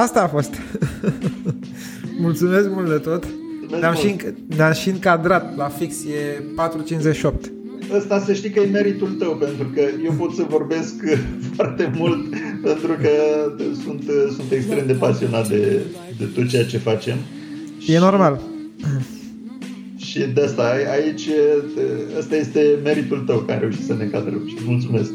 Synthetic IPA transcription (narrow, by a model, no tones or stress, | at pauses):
ast̪aːfo̞st̪ | mult̪sume̞sk̚mult̪d̪et̪o̞t̪ | meeamʃiŋ | neamʃiɨŋkad̪ɾat̪lafiksje̞pat̪ɾut͡ʃint͡ʃzeʃio̞p̚t̪ | əst̪asəʃt̪ikəjeme̞ɾit̪ult̪əwpe̞nt̪ɾukəje̞wpo̞t̪səvo̞rbe̞skfart̪e̞mult̪pe̞nt̪ɾukəsunt̪sunt̪e̞kst̪ɾe̞md̪e̞pasio̞nat̪̚d̪e̞ | d̪e̞t̪o̞t̪̚t͡ʃe̞jat͡ʃe̞fat͡ʃe̞m | je̞no̞rmal | ʃid̪east̪aait͡ʃʲ | əst̪aje̞st̪e̞me̞ɾit̪ult̪əwkaɾe̞uʃit̪səneŋkad̪ɾəmʃimult̪sume̞sk̚